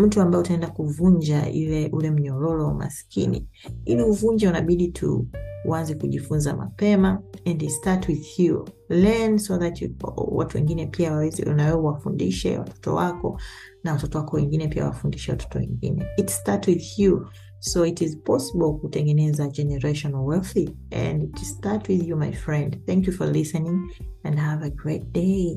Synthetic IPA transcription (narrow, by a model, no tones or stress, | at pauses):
m̩tuambaɛutaɛ̃ndakuvuɲd͡ʒaḭlɛʔulɛm̩ɲɔɾɔlɔma̰skinḭ | iliuvuɲd͡ʒɛunaɓiɗitʰṵwanzɛkuʄifunza̰ma̰pɛmaɛ̃nditstatwiðhju | lɛnsɔðatwa̰tuwɛ̰ŋɡinɛpiaaɛz̰nawɛwafundiʃɛ̰wa̰tʰɔ̥tɔ̰wakɔ̰ | nawatɔtɔwakɔwɛ̃ŋɡinɛpia̰wa̰fundiʃɛwa̰tɔ̥tɔwɛ̰̃ŋɡḭnɛitstaɹtwiðju | soitizpʰɔsəbɔlˠkutɛ̃ŋɡɛnɛzad͡ʒɛnɛɹeʃɔ̃nwɛlθi | ɛ̰̃nitstatwiðjumajfɹɛ̃ndθɛ̃ŋkjufɔlisɛnĩŋɛ̃ndhavəɡɹet̚d̥eɪ